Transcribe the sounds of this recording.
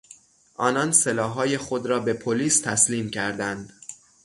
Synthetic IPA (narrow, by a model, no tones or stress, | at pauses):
ʔɒːnɒnselɒːɦːɒːje̞xo̞d̪ɾɒːbe̞pʰoliːst̪ʰæsliːmcʰæɾd̪ænd̪̥